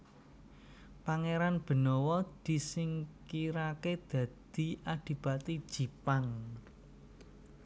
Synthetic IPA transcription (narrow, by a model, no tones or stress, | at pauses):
paŋeɾanb̥ə̤nɔwɔd̪̥i̤sɪŋkiɾaked̪̥ä̤d̪̥i̤ad̪̥i̤b̥at̪id̥ʒ̥i̤paŋ